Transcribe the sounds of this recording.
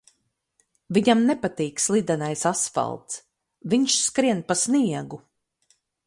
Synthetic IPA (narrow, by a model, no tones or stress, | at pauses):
viɲamnɛpat̪iːkslˠid̪ɛnajsasfa̰lˠt̪s | viɲʃskɾiɛnpasniɛɡu